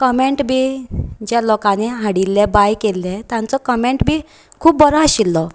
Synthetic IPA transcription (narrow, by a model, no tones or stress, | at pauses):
kəmeɳʈbʱiːd͡ʑjalɔkaneɦaɽilːebajkelːɛt̪jãnt͡sɔkəmeɳʈbʱiː | kʰuːp̚bəɾɔ̃aɕilːɔ